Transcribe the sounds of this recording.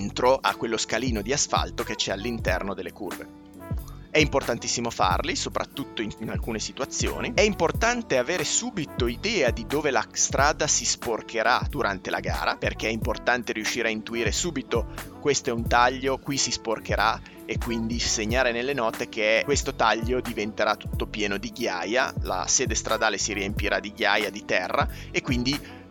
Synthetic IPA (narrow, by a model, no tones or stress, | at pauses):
nt̪ɾoʔa̰kːwelːoskaliːnod̪iasfa̰lt̪oket͡ʃːɛalːint̪ɛrnod̪elːekṵrvḛ | ɛimport̪ant̪i̥sːimofa̰rlisopɾʔa̰t̪ːut̪ːoiŋnalkuːnesit̪uat̪sːjo̰ːniɛimport̪ant̪eaveːɾesuːbit̪oid̪ɛːad̪id̪oːvelast̪ɾʔaːd̪asisporkʰeɾʔad̪̥uɾʔant̪ela̰ɡa̰ːɾa̰perk̟eɛimport̪ant̪eɾiuʃːiːɾeaint̪uiːɾesuːbit̪okwest̪oɛunt̪aʎːokwisisporkeɾa | ekwind̪iseɲːaːɾenelːenɔt̪ek̟ekwest̪ot̪aʎːod̪ivent̪eɾat̪ːu̥t̪ːopjɛːnod̪iɡja̰ːja̰la̰seːd̪est̪ɾad̪aːlesiɾiempiɾʔad̪iɡjaːjad̪it̪ɛrːaekwind̪i